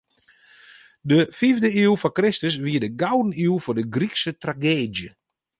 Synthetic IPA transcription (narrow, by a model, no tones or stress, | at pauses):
dəfivdəifɔkrɪstəs̬ʋiːədəɡawdən̩ilfɔdəɡriksətraɡeːdjə